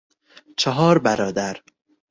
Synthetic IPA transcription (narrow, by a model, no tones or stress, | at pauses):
t͡ʃʰɒɦɒːɾbæɾɒːd̪æɾ